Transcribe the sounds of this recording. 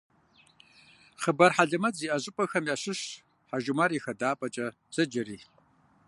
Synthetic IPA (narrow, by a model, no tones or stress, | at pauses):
χəbɐrħaɮɐmɐd͡ziːʔɐʑʼɪpʼɐxɐmjaːɕɪɕ | ħaʒumaɾiːxɐdaːpʼɐt͡ʃʼɐ | zɐd͡ʒɐriː